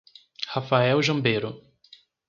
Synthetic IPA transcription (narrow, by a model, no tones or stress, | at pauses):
hafaɛwʒɐ̃mbejɾʊ